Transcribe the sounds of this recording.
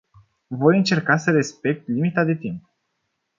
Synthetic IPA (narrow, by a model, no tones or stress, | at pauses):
vo̞jɨnt͡ʃe̞rkasəɾe̞spe̞k̚t̪limit̪ad̪e̞t̪imp